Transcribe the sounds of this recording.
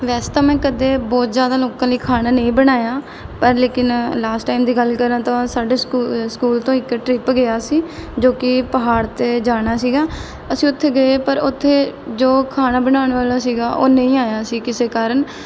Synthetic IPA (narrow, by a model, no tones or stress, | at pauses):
ʋɛːst̪ãːmɛ̃ːkəd̪eːbɔːt̪zjaːd̪aːloːkãːləiːkʰaːnaːnəĩːbəɽaːjaː | pəɾleːkɪnlaːsʈaːimd̪iːɡəlkəɾãːt̪ãsaːɖeːsskuːlt̪õːɪkʈɾɪpɡɪaːsiːd͡ʒoːkɪpəɦaːɽt̪eːd͡ʒaːɽ̃aːsiːɡaː | əsĩːʊt̪ʰːeːɡəeːpəɾʊt̪ʰːeːd͡ʒoːkʰaːnaːbənaːʊɳʋaːlaːsiːɡaːʔoːnə̃ĩːaːjaːsiːkɪseːkaːɾəɳ